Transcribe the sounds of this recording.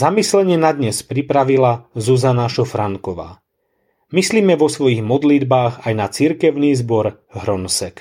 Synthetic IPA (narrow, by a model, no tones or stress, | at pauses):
zamislɛɲɛnad̪ɲɛspɾipɾaʋilazuzanaʃɔfɾaŋkɔʋa̰ː | misliːmɛʋɔsʋɔjiɣmɔd̪lid̪baːɣajnat͡siɾkɛʊniːzbɔɾ | ɦɾɔnsɛk